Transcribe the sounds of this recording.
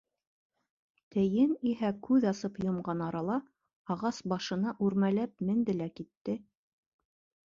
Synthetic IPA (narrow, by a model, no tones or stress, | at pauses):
t̪ɘ̆jɘniɦækʉðɑsɤpjŏmʁɑnɑɾɑlˠɑ | ɑʁɑsbɑʃɤ̆nɑʔʉɾmælæp̚mɘ̆nd̪ɘ̆lækit̪ːɘ